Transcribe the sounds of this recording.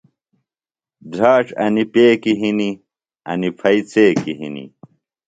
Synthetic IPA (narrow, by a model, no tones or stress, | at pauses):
dʱaːʈ͡ʂɐ̰nipeːkiɦini | ɐ̰nipʰɐit͡seːkiɦḭnḭ